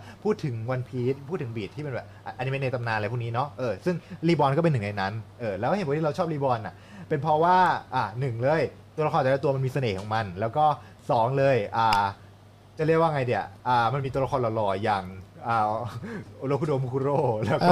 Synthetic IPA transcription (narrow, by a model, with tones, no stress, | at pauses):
pʰuː˥˩t̪ʰːɯ˩˦ŋwa˧npʰiː˦˥t̪̚pʰuː˥˩t̪ʰːɯ˩˦biː˨˩t̪ʰi˥˩pe˧nbɛː˨˩p̚ʔa˧ʔa˧ni˦me˧n˧t̪a˧mnaː˧nlːpʰuː˥˩niː˦˥nɔ˦˥ʔɤː˧sɯ˥˩ŋliː˧˩bɔː˧nkɔː˥˩pe˧nɯ˨˩na˧jna˦˥nʔɤː˧˩lɛː˧˦˥wpwt̪ʰi˥˧a˧wt͡ɕʰɔː˥˩p̚liː˧˩bɔː˧nʔa̰˨˩ʔ | pe˧npʰɔ˦˥waː˥˩ʔa˨˩nɯ˨˩ŋlɤː˧jt̪u˧la˧xʰnt͡ɕa˨˩˦t̪u˧ma˧miː˧sa˧neː˨˩kʰɔ˩˦ŋma˧nlɛː˦˥wkɔː˥˩ | sɔː˩˦ŋlɤː˧jʔaː˨˩ | t͡ɕa˨˩li˥˩ək̚waː˧ŋa˧jni˧˩ɐʔaː˨˩ma˧nmi˧t̪u˧ɐla˧kʰɔː˧nlɔ˧˩lɔː˧ja˧˩ŋʔaː˨˩˧ | loː˧˥kʰu˧do˧mkʰu˧ɾoː˥˩lɛː˦˥ɔ˥˩